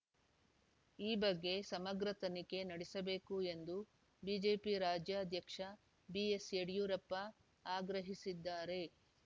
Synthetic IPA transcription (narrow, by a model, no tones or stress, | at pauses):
iːbɐɡːe̞sɐmɐɡɾɐt̪ɐnike̞nɐɽesɐbe̞ːkue̞nd̪u | biːd͡ʒe̞ːpiɾaːd͡ʒjaːɐd̪ʱjɐkʂɐ | bieseɽijuːɾɐpːɐ | aːɡɾɐɦisid̪ːaːɾe̞